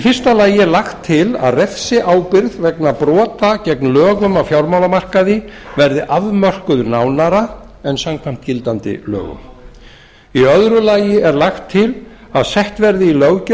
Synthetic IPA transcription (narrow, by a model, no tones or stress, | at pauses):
ifɪr̥st̪alaːjɪɛɾlaxt̪ʰːɪla̰ðrɛfsɪʔaːwpɪɾðvɛknapɾɔːt̪acɛknlœːɣʏmawfjawɾmaːwlamar̥kaðɪvɛɾðɪʔaðmœr̥kʏðʏɾnaːwnaɾa | ɛnsamkʰvajm̥t̪cɪlt̪ant̪ɪ̰lœ̰ːɣʏ̰m | iœðɾʏlaːjɪɛɾlaxt̪ʰːɪl | aðsɛht̪vɛɾðɪilœɣc